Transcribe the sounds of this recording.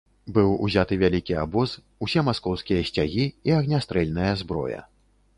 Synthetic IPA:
bɨwṵzʲat̪ɨvʲalʲikʲia̰bɔz | usʲɛmaskɔwskʲijɐsʲt͡sʲaɣʲiiɐɣnʲast̪ɾɛlʲnɨjɐzbɾɔ̰jɐ̰

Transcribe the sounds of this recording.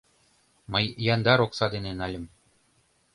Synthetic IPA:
mɤ̆jjɑnd̪ɑɾoksɑd̪enĕnɑlʲɘ̆m

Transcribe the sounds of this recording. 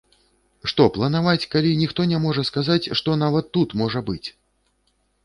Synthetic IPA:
ʂt̪ɔplˠɐn̪avat͡sʲkalʲinʲixt̪ɔnʲɛmɔʐɐskazat͡sʲʂt̪ɔnavɐt̪ːut̪mɔʐɐbɨt͡sʲ

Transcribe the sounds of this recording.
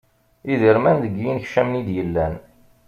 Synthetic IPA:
iðəɾmænðəɡjinçʃæmnid̪jəlːæn

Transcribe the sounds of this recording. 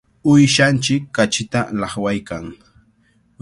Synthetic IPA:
ʊjʃant͡ʃɪkːat͡ʃɪt̪alɑχwajkaŋ

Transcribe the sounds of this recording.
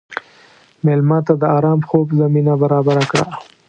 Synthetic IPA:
melmɑt̪ad̪əɑɾɑmxobzaminabaɾɑbaɾakɽa̰

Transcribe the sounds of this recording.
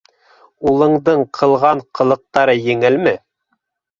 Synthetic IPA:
ulˠɤ̆ɴd̪ɤɴqʰɤ̆lˠʁɑɴqʰɤ̆lˠɤ̆q̚t̪ɑɾɤjɘ̆ŋɘlmɘ

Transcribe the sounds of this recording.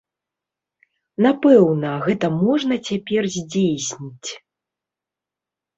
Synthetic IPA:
napɛwnɐɣɛt̪ɐmɔʐnɐt͡sʲapʲɛrzʲd͡zʲejsʲnʲit͡sʲ

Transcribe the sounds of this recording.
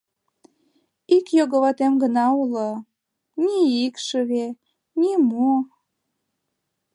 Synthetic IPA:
ikjoɣəβɑt̪emɡənɑulɤ | nʲiikʃəβe | nimuo

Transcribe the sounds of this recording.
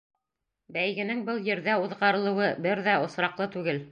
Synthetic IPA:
bæjɡɘ̆nɘŋbɤlˠjɘ̆ɾðæuðʁɑɾɤ̆lˠɤ̆wɤbɘɾðæŏsɾɑqlˠɤt̪ʉɡɘl

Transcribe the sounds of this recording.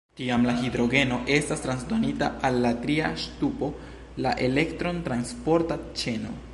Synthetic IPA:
tiamlaɦid̪ɾo̞ɡe̞no̞ʔe̞stastɾansdonita̰ʔalːatɾia̰ʃtupo̞ | la̰ʔe̞le̞ktɾo̞ntɾanspo̞ɾtat͡ʃe̞no̞̰

